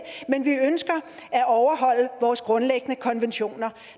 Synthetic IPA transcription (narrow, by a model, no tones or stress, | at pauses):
menʋiønsɡ̥ɐæʔɒʊɐɦɒ̽l̰əʋɒːsɡ̥ʁɔ̽nleɡ̥ənəkʰɒ̽nʋenɕo̝̰ːnɐ